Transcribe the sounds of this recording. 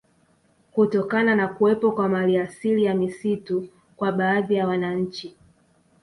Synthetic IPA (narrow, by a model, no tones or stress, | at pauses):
kutɔkananakuɛpɔkwamaliasilijamisitu | kwaɓaːðijawanaɲ̩t͡ʃi